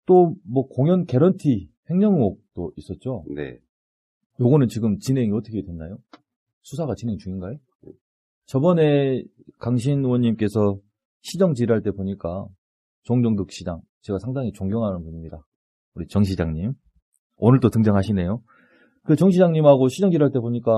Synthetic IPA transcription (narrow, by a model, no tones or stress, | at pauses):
t͈omwʌkoŋjʌnke̞ɾʌntʰihe̞ŋɲʌŋok̚t͈ois͈ʌt̚t͡ɕ͈onḛ | joɡʌnɯnt͡ɕiɡɯmt͡ɕinɦe̞ŋiʌtʰʌkʰedwenːajo | sʰusʰaɣat͡ɕinɦeŋit͡ɕuŋinɡaje | t͡ɕʌbʌne̞ | kaŋɕ̬ʰinwʌɲːimk͈e̞sʰʌ | ɕʰid͡ʑʌŋt͡ɕiɾaɭt͈e̞boɲik͈a | t͡ɕoŋd͡ʑoŋdɯk̚ɕ͈ʰid͡ʑa̰ŋ | t͡ɕe̞ɡasʰaŋdaŋit͡ɕoŋɡjʌŋɦanɯnpuɲimɲida | uɾit͡ɕʌŋɕ̬ʰid͡ʑaŋɲim | onɯɭt͈otɯŋd͡ʑʌŋɦaɕʰine̞jo | kɯt͡ɕʌŋɕ̬ʰid͡ʑaŋɲimɦaɡoɕʰid͡ʑʌŋd͡ʑiɾɦaɭt͈e̞boɲik͈a